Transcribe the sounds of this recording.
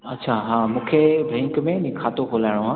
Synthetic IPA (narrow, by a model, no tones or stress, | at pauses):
ɐtːɕʰaɦãːmũːkʰebʱɛ̃ːŋkmẽnĩkʰaːt̪okoːlaːɪɽ̃oɦãː